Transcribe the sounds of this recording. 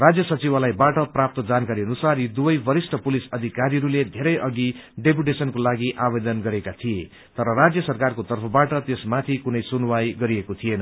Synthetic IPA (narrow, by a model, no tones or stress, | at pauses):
rad͡zjʌsʌt͡sibalajbaʈʌprap̚t̪ʌd͡zankaɾiʌnusaɾid̪ubʌjbʌɾisʈʰʌpulisʌd̪ʱikaɾiʌɾuled̪ʱeɾʌjʔʌɡiɖep̬uʈesʌnkolaɡiʔabed̪ʌnɡʌɾekat̪ʰije | t̪ʌɾʌrad͡zjʌsʌrkarkot̪ʌrpʰʌbaʈʌt̪esmat̪ʰikunʌjsunwajɡʌɾiekot̪ʰijenʌ